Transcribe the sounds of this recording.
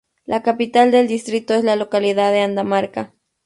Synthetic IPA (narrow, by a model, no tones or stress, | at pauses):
lʔakapit̪ald̪eld̪ist̪ɾit̪oeslalokaliðaðeand̪amaɾka